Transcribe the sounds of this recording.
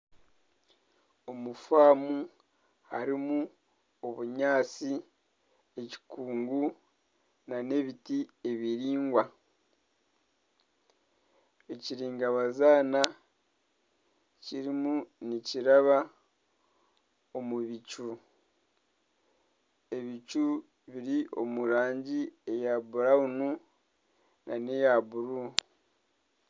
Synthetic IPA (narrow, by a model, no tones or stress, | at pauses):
o̞mufaːmu | haɾimu | oβuɲaːt͡si | e̞ci̥kuːŋɡu | nane̞βitie̞βiɾiːŋɡwa | e̞ciɾiːŋɡaβazaːna | ciɾimuniciɾaβa | o̞muβicu | e̞βicu | βiɾiʔo̞muɾaːɲɟie̞jabuɾaunu | nanejabuɾu